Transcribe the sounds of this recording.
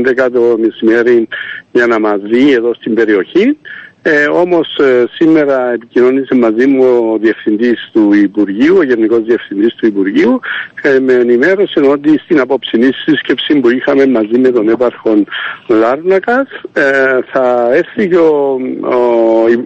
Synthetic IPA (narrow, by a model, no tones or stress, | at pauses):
nd̪ekat̪o̞mesime̞ɾinjɐnɐmɐzieðo̞st̪imbe̞ɾio̞çin | o̞mo̞ssimːe̞ɾɐe̞picino̞nisemːɐzimuo̞ðie̞fθind̪ist̪uipuɾʝiuoʝenːiko̞zðie̞fθind̪ist̪uipuɾʝiuemeːnime̞ɾo̞seno̞t̪ist̪inɐpo̞psinisːiscepsimbuixɐme̞mːɐzimːe̞t̪o̞ne̞pɐɾxo̞nlɐɾnɐkɐs | θɐeɾθiceo̞ | i